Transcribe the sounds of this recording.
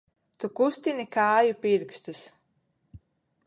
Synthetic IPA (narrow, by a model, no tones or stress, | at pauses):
t̪ukust̪inikaːjupiɾkst̪us